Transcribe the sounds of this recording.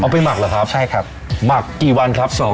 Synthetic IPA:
ʔa˧wpa˧jma˨˩k̚laː˨˩kʰɾa˦˥p̚t͡ɕʰa˥˩hkʰa˧˨˩t̪̚ | ma˨˩kːiː˨˩wa˧nkʰɾa˦˥p̚sɔː˩˦

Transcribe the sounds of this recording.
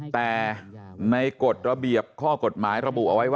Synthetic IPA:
t̪ɛː˨˩na˧jko˨˩t̪̚ɾa˧bi˨˩əp̚kʰɔː˥˩ko˨˩t̪̚maː˩˦jɾa˧bu˨˩ʔa˧wa˦˥jwaː˥

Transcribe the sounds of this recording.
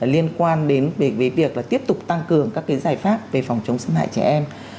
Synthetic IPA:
li˧ənkwaː˧nɗe˨˦nve˨˩veː˨˦jvi˨˩ək̚laː˨˩t̪i˦˥əp̚t̪ʊ˨˩k͡p̚t̪a˧ŋkɨ˨˩əŋkaː˦˥kːa˨˦zaː˨˩jfaː˦˥p̚ve˨˩fa˨˩wŋ͡mt͡ɕə˨˦wŋ͡msa˧nɦa̰ː˧˨jt͡ɕɛ̰˧˩ʔɛ˧m

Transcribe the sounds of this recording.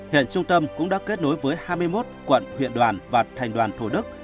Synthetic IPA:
hḭ˧˨ənt͡ɕʊ˧ŋ͡mt̪ə˧mkʊ̰˧˥ŋ͡mɗa̰ː˧˥ke˦˥t̚no˨˦jvəː˨˦jhaː˧jmɨ˧əjmo˦˥t̚kwə̰˧˨nwḭ˧˨ənɗwaː˨˩nvaː˨˩t̪ʰɛ˨˩jŋ̟ɗwaː˨˩nt̪ʰu˧˩ɗɨ˦˥k̚

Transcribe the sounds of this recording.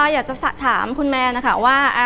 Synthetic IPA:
jaː˨˩k̚t͡ɕa˨˩sa˨˩t̪ʰaː˩˦mkʰu˧nmɛː˧na˦˥kʰa˦˥˩waː˥˩ʔa˧

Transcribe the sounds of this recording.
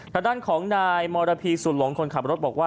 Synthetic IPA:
t̪ʰaː˧˩daː˥˩nkʰɔː˩˦ŋnaː˧jmɔː˧ɾaː˧pʰiː˧su˨˩t̪̚lo˨˩˦ŋkʰo˧nkʰa˨˩p̚ɾo˦˥t̪̚bɔː˨˩k̚waː˥˩

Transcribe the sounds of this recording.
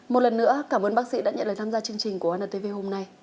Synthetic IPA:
mo˨˩t̚lə˨˩nːɨ̰˧˥əkaː˧˩mʔəː˧nɓa˦˥k̚sḭ˧˥ɗa̰ː˧˥ɲə̰˧˨nlːt̪ʰaː˧mzaː˧t͡ɕɨ˧əŋt͡ɕï˨˩ŋ̟ku˧˩əʔːnəː˧˩t̪e˧ve˧ɦo˧mna˧j

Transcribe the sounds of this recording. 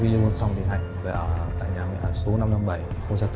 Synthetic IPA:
vi˧ɗi˧ə˧nsa˧wŋ͡mɓḭ˨nɦa̰˧˨jŋ̟və̰˧˩ʔəː˧˩t̪a̰ː˧˨jɲaː˨˩mḭ˧˨ʔəː˧˩so˨˦na˧mna˧mɓa˧˩jko˧nzaː˧t̪

